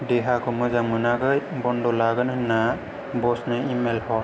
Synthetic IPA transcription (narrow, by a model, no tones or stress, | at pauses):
deɦakʰɔmɯzaŋmɯnakɯjbɔndɔlaɡɯnhɯnːa | bɔsnɯimelhɔ